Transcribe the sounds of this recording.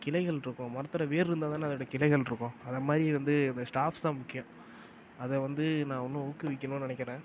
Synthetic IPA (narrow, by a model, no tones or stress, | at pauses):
kɪlɐɪɣɐɭɾɯkːʊ̃mɐɾɐt̪ːɐɾɐʋeːɾɪɾɯnd̪aːt̪ãːnːɐðɐɽɐjɐkɪlɐɪɣɐɭɾɯkːʊ̃ɐðɐmaːd̪ɾiʋɐnd̪ɯɐnd̪ɐsʈaːfst̪ãːmʊkːɪjʊ̃ | ɐðɛʋɐnd̪ɯnãːɔnːɯ̃ʊkːɯʋɪkːɐnʊ̃nɪɳɛɪkːɪɾẽː